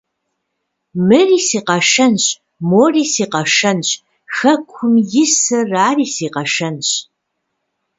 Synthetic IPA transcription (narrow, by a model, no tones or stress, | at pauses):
mɨriːsiːqɐʃɐnɕ | moːriːsiːqɐʃɐnɕ | xɐkʷʰʊmjɪsɨraːriːsiːqɐʃɐnɕ